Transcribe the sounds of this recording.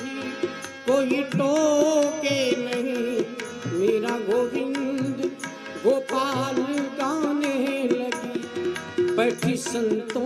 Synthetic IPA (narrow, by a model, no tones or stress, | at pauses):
i | koːiʈoːkenɐɦĩ | meːɾaɡoːʋɪnd̪ | ɡoːpaːlɡaneɦlɐɡi | pɐʈʰisɐ̃nt̪õ